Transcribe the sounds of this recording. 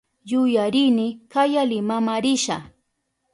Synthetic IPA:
jʊjaɾɪnɪkajalɪmamaɾɪʃa

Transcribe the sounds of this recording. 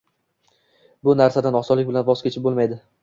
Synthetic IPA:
bʊnaɾsad̪anɒsɒlɪk̚ʲbɪlanvɒz̥kʲʰet͡ʃʰɪp̚bolmajd̪ɪ

